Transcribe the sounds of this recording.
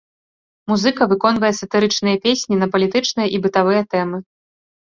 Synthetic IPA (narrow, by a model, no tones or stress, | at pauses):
muzɨkɐvɨkɔn̪vɐjɛsɐt̪ɨɾɨt͡ʂnɨjɐpʲesʲnʲinɐpɐlʲit̪ɨt͡ʂnɨjɐʔibɨt̪avɨjɐt̪ɛmɨ